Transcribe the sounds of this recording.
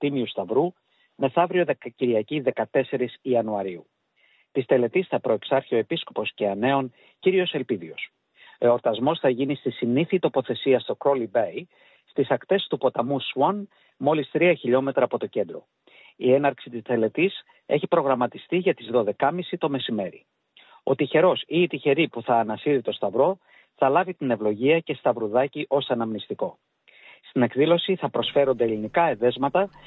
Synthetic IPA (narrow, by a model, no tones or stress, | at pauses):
t̪imiust̪ɐvɾu | me̞θɐvɾio̞ðe̞kɐciɾiɐciðe̞kɐt̪e̞se̞ɾisiɐnuɐɾiu | t̪ist̪e̞le̞t̪isθɐpɾo̞e̞ksɐɾçio̞episko̞po̞sce̞ɐne̞on | ciɾio̞se̞lpiðio̞s | o̞oɾt̪ɐzmo̞sθɐʝinist̪isiniθit̪o̞po̞θe̞siɐst̪o̞kɾo̞libej | st̪isɐkt̪e̞st̪upo̞t̪ɐmuswɐn | mo̞list̪ɾiɐçiʎo̞me̞t̪ɾɐːpo̞t̪o̞ce̞nd̪ɾo̞̰ | ie̞nɐɾksit̪isθe̞le̞t̪is | e̞çipɾo̞ɣɾɐmɐt̪ist̪iʝɐt̪izðo̞ðe̞kɐmisit̪o̞me̞sime̞ɾḭ | o̞̰t̪içe̞ɾo̞siːt̪içe̞ɾipuθɐːnɐsiɾit̪o̞st̪ɐvɾo̞ | θɐlɐvit̪ine̞vlo̞ʝiɐce̞st̪ɐvɾuðɐciʔo̞sɐnɐmnist̪iko̞ | st̪ine̞kðilo̞siθɐpɾo̞sfe̞ɾo̞nd̪elinikɐe̞ðe̞zmɐt̪ɐ